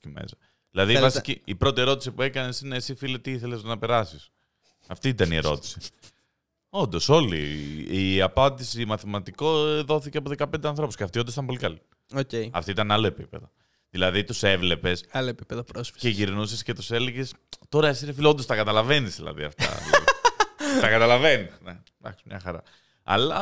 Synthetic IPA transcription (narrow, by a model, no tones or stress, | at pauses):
ocimḛsɐ | ðilɐðivɐsiciːpɾo̞t̪ie̞ɾo̞t̪i̥sipue̞kɐne̞sineːsifilet̪iiθelezt̪onɐpe̞ɾɐsis | ɐft̪iit̪ɐnie̞ɾo̞̰t̪i̥si̥ | o̞nd̪o̞so̞lḭiɐpɐnd̪isimɐθimɐt̪ikoðo̞θiceɐpoðekɐpnd̪eɐnθɾo̞pusceɐft̪iondosit̪ɐmp̬o̞likɐli | ocejɐ̰ft̪oit̪ɐnalo̞epipe̞ðo | ðilɐðit̪use̞vle̞pe̞saloepi̥peðopɾosfi̥eiʝiɾnusisce̞t̪use̞leʝest̪o̞ɾɐesiɾefiloond̪ost̪ɐkɐt̪ɐlɐve̞nizðilɐ̰ðḭɐ̰ft̪ɐ̰ðilɐði | t̪ɐkɐt̪ɐlɐve̞nisne | d̪ɐ̰ksmɲɐxɐɾɐ̰ | ɐ̰lɐ